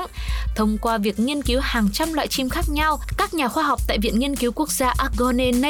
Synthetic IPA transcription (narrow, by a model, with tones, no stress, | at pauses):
t̪ʰə˧wŋ͡mkwaː˧vi˨˩ək̚ŋi˧ənki˨˦whaː˨˩ŋt͡ɕa˧mlwa̰ː˧˨jt͡ɕi˧mxaː˦˥k̚ɲa˧wkaː˦˥k̚ɲaː˨˩xwaː˧ɦwk͡p̚t̪a̰ː˧˨jvḭ˧˨ənŋi˧ənki˨˦wku˦˥ək̚zaː˧ʔaː˦˥ɣɔ˧ne˧n˧